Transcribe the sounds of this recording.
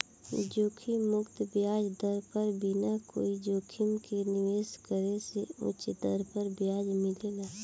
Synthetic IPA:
d͡ʒoːkʰimʊkt̪bjaːd͡ʒd̪əɾpəɾbʱinako̰ːid͡ʒoːkʰɪmkenɪʋeːskəɾeseʊ̰t͡ʃd̪əɾpəɾbjaːd͡ʒmɪlelaː

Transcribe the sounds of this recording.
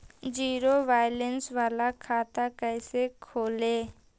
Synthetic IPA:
d͡ʒiːɾoʋaːjlensʋaːlakʰaːt̪akɛːsekʰoːleː

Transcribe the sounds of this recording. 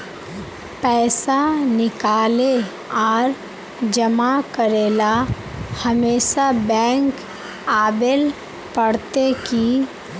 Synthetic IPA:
pɛːsanɪkaːle | ɔːɾ | d͡ʒəmakəɾeːla | həmeːʃabɛ̃ːŋk | aːbel | pəɽt̪eki

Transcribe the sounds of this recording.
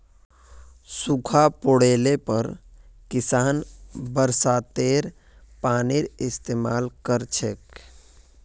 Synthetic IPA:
sukʰapoɽelepəɾ | kisaːnbəɾsat̪eɾ | paniɾɪst̪eːmalkəɾt͡ʃʰek

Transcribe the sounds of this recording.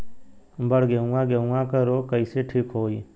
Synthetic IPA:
bəɽɡeũãːɡeɦũŋãːkəɾoːkəiːseːʈʰiːkɦoːiː

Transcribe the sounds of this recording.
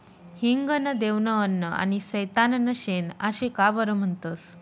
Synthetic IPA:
hiŋɡənəd̪eʋnəənːəa̰nisəjt̪anənəɕenaɕẽkabəɾəm̤əɳt̪əs

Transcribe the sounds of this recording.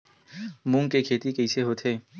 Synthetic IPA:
mũːŋkekʰeːt̪ikɛiseɦoːt̪ʰeː

